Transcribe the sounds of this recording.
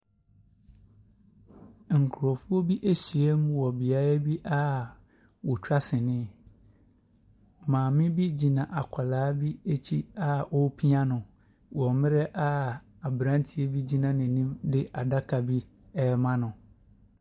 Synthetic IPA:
ŋ̩˨kʰʊ˨ɾɔ˨fʊ˦o˦bi˦ʔe˦ɕi˨e˦m˦wɔ˨bi˨a˨ɾa˦bi˦ʔa˦ | wɔ˨t͡ɕʰᶣa˦sɪ̃˨nɪ̃˦˨ | mãː˨mɪ̃˦bi˦d͡ʑi˨nã˨ʔa˨kʷʰa˨laː˨˦bi˦e˦t͡ɕʰi˦a˦ʔɔ˦pʰi˦ã˦nʊ̃˨ | wɔ̃˨mɪ̃˦ɾɛ˦ʔa˦ | a˨bɾã˦n˦tʰi˨˦e˦bi˦d͡ʑi˦nã˨nɪ̃˨nĩ˦mdɪ˦ʔa˨da˦kʰa˨bi˦ | ɛ˦mã˦nʊ̃˨

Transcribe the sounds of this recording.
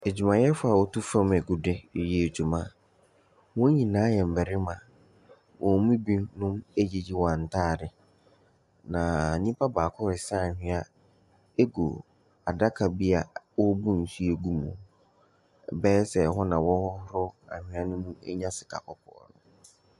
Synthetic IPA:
e˨d͡ʑᶣu˨mã˨jɛ˦fʊ˦a˨wɔ˦tu˦fã˦mɛ˨ɡu˨dɪ˦˨jɛ˦e˨d͡ʑᶣu˨mã˦ | wɔ̃˦ɲĩ˨nãː˨˦jɛ˨m̩˨bɛ˨ɾɪ˦mã˨ | wʔɔ̃˨˦mĩ˦bĩ˦nnʊ̃˦me˦d͡ʑi˦d͡ʑi˦wɔ̃˨a˨n̩˨tʰaː˦˨dɪ˨ | nã˨nĩ˦pʰa˦baː˨kʰʊ˦ɾɪ˨sa˦a˨hᶣɪ̃˨˦a˦ | e˦ɡo̰˨ | a˨da˦kʰa˨bi˦a˨wɔ˦bũ˦n̩˨su˦e˨ɡu˦mʊ̰̃˨ | bɛ˦sɛ˨ɦɔ˦nã˨wɔ˦hɔ˦hɾʊ˦a̰˨hɪ̃˨˦a˦nʊ̃˦mũ˦ḛ˦ɲã˦sɪ̥˨kʰa̰˨kʰɔ˨pʰʊ̰˦ɔ̰˨nʊ̰̃˨

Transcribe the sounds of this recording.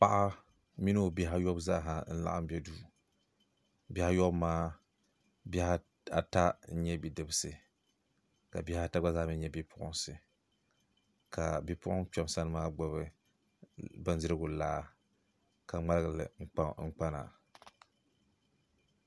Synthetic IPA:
pa˨ʔa˦ | mi˦nɨ˦˨bɛ˦ɦa˦jɔ˦bza˦ɦa˨n̩˦la̰˦˨ʔa̰˦m˦bɛ˦duː˦˨ | bɛ˦ha˦jɔ˦bmaː˦ | bɛ˦ha˦ | a̰˨ta˦n̩˦ɲɛ˦bi˨dɨ˨bɨ˦sɨ˨ | ka˨bi˦ha˦ta˦ɡ͡ba˦za˦˨mi˦ɲɛ˦bi˦pʰʊ˨ʔʊ̰˦nsɨ˨ | kʰa˨bi˦pʊ˦ʔʊ˦ŋk͡pɛ˦m˦sa˦nɨ˦maː˦ɡ͡ba˦βɨ˦ | bɨ˦n˦zɨ˦ɾɨ˦ɡʊ˨laː˦ | ka˨ŋ͡ma˦lɨ˦ɡɨ˨lɨ̰˨˦ŋ͡m̩˦k͡pa˦na̰˨

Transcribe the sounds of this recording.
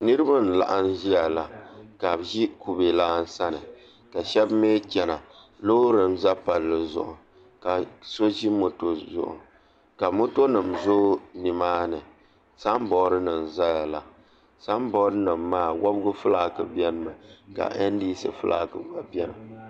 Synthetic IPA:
nɨ˦ɾɨ˦ba˦n̩˨la̰˨ʔa˦nʒi˦a˨la˨ka˨bʒi˦ku˨be˨laː˦n̩˦sa˦nɨ˨ | ka˨ʃɛ˦bmeː˦t͡ʃɛ˨na˨ | lo˦ɾɨ˨mza˦pa˨lːɨ˨zʊ̰˦ʔʊ̰˨ | ka˨so˦ʒi˦mo˦to˦zʊ̰˨ʔʊ̰˨ | ka˨mo˦to˦nɨ˨mzoː˦ni˨maː˦nɨ˨ | sa˦m˦bɔ˨˦ɾɨ˦nɨ˨mza˦ja˨la˨ | sa˦m˦bɔ˦ɾɨ˦nɨ˨mːaː˦˨wʔa˦bɡʊ˦fɨ˦laː˦˨kɨ˨bɛ˦nɨ˦mɨ˨ka̰˨ʔɛ˦n˦di˦sɨ˨fɨ˦lʔa̰ː˨kɨ˨˦ba˨bjɛ˦nɨ˨

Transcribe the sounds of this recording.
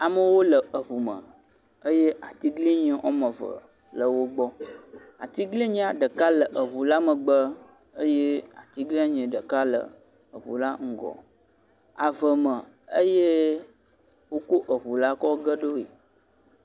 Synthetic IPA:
a˨mə˨wo˦lə˨ə˨βu˨mə̰̃˨ | ə˦je˦ʔa˨t̪i˦ɡli˦ɲə̃˨ʔɔ˦mə̃˨və̰˨ | lə˨wo˦ɡ͡bɔ˦ | a̰˨t̪i˦ɡli˦ɲĩ˦a˨ɖə˨ka˦lə˨ʔə˨βu˨la˦mə˨ɡ͡bə˦ | ə˦je˦a˨t̪i˦ɡli˦a˦ɲə̃˨ɖə˨ka˦lə̰˨ | ə˨βṵ˨la˦ŋ̩˦˨ɡɔ̰˨ | a˨və˨mə̃˨ | ə˦je˦ | wo˦ko˦ʔə˨βu˨la˦kɔ˦ɡə˦ɖo˦ḛ˨

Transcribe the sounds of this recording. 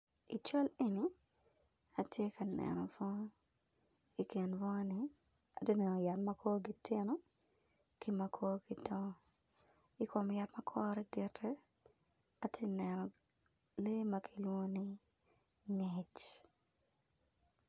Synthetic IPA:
i˨t͡ʃɔ˦leni | a˨tje˦kɐ˨nɛ̰˨nɔ̰˨fɔ˦ | i˨kɪ˨nvɔ˦ni | a˨te˦nɛ˨nɔ˨ja˨tmɐ˦kʰo˦ɡi˨tɪ˦nɔ˦ | ki˦mɐkʰoː˦ɡidɔ˦ | i˦ko˨mja˨tmɐ˦kʰɔ˦ɾɛ˦dɪ˨tʰɛ˦ | a˨tʰje˦nɛnɔ˨ | le˦mɐkʰilwo˦ni˦ | ŋet͡ʃ

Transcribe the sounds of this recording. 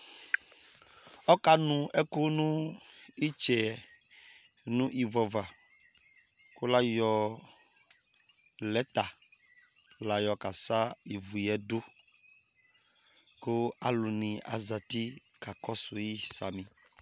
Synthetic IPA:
ɔ˦ka˦nũ˨ɛ˦ko˦nũ˦i˦t͡ʃɛ˨ | nũ˦ʔi˨vɔ˨va˨ | ko˦la˦jɔ˨ | lɛ˨˦t̪a˨ | la˨jɔ˨ka˨sa˦i˨vu˨jɛ˦do˦ | ko˦a˨lo˨nĩ˨a̰˨za˨ti˦ka˨kɔ˦so˨ji˦˨sa˨mĩ˨

